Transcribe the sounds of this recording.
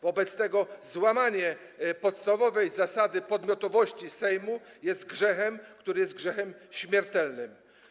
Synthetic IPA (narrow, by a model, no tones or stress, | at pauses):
vɔbɛt̪st̪ɛɡɔzwamaɲɛ | pɔt̪st̪avɔvɛjzasad̪ɘpɔd̪mʲjɔt̪ɔvɔɕt͡ɕisɛjmujɛst̪̚ɡʐɛxɛmkt̪uɾɘjɛst̪̚ɡʐɛxɛmɕmʲjɛɾt̪ɛlnɘm